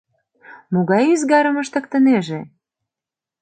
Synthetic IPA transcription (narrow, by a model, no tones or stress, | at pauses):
moɣɑjyzɣɑɾə̆məʃt̪ə̆kt̪ə̆neʒe